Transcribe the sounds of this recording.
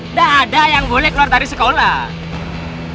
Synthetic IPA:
daɦːdajaŋbolɛhkəluwart̪aɾisəkola

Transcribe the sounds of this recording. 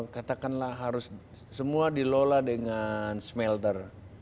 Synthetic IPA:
kat̪akanlaɦaɾʊs | səmuadiloladəŋansmɛlt̪ər

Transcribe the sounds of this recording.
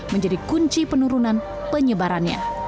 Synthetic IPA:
məɲd͡ʒadikuɲt͡ʃipənuɾunan | pəɲəbaɾanɲa̰

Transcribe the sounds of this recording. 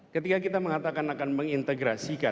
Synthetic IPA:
kət̪ikak̬it̪aməŋat̪akanakanməŋint̪əɡɾasika

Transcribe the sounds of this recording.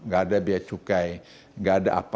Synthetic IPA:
ɡadabiat͡ʃukaj | ɡadaʔa̰p

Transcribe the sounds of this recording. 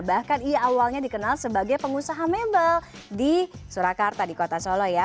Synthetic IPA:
bahkanijaːwalɲadikənalsəbaɡajpəŋusaɦamebəldisuɾakart̪adikot̪asɔlɔja

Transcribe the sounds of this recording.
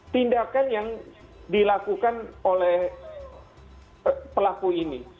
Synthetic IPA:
t̪indakanjaŋdilakukanolɛh | pəlakuini

